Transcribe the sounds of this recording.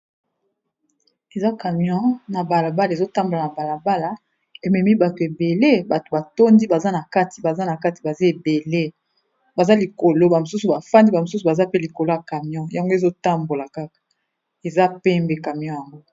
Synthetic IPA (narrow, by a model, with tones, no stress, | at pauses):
e˨za˦ka˨mjɔ̃˦na˨ba˨la˨ba˦la˨zo˦ta˦mbo˨la˨na˨ba˨la˨ba˦la˨ | e˨mɛ˨mi˦ba˨tu˨e˨be˨le˦ba˨to̥˨ba˨to˦ndi˦ba˨za˦na˨ka˦ti̥˨ba˨za˦na˨ka˦ti˨ba˨zi˦e˨be˨le˦ | ba˨za˦li˨ko˨lo˦ba˨mo˨su˦su˨ba˨fa˦ndi˦ba˨mo˨su˦su˨ba˨za˦pe˦li˨ko˨lo˦a˨ka˨mjɔ̃˦ja˨ŋɡo˦e˨zo˦ta˦mbo˨la˨ka˦kḁ˨ | e˨za˦pɛ˦mbɛ˦ka˨mjɔ̃˦ja˨ŋɡo˦